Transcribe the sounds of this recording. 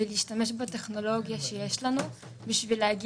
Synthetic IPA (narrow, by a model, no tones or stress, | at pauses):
ɪljɪʃt̪ameʃ̬bɪt̪exnoloːɡjaʃejeːʃlanu | bɪʃviːlaʕɡi